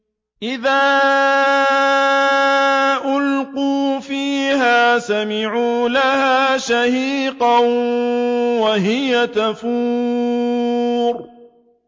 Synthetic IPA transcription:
ʔɪðaː | ʔʊlquːfiːhaːsamɪʕuːlahaːʃahiːqɑn | waɦɪjat̪afuː | ɾ

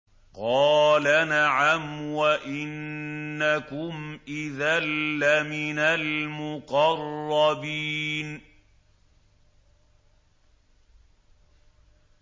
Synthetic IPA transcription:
qɑːlanaʕamwaʔɪnːakʊmʔɪðalːamɪnalmʊqɑrˤːɑbiːn

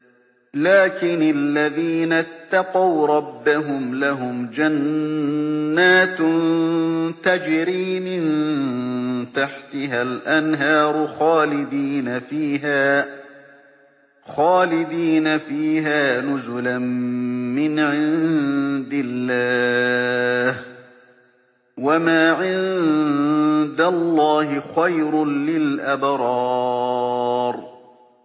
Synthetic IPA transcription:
laːkɪnalːaðiːnat̪ːɑqɑwɾˤɑbːaɦʊmlaɦʊmd͡ʒanː | aːt̪n | t̪ad͡ʒɪɾiːmɪn | t̪aħt̪ɪɦalʔanɦɑːɾˤʊxaːlɪd̪iːnafiːɦaː | xaːlɪd̪iːnafiːɦaːnʊzʊlammɪnʕɪnd̪ɪlːaː | h | wamaːʕɪn | d̪allˤːɑːhɪxajɾʊlɪlʔabɾˤɑː | ɾˤ

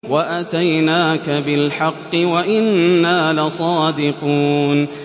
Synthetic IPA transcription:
waʔat̪ajnaːkabɪlħɑqːɨwaʔɪnːaːlɪsˤɑːd̪ɪquːn

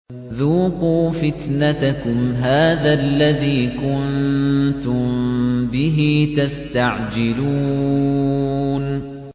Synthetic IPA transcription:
ðuːquːfɪt̪nat̪akʊmɦaːðaʔlːaðiːkʊnnt̪ʊmbɪɦiːt̪ast̪aʕd͡ʒɪluː | n

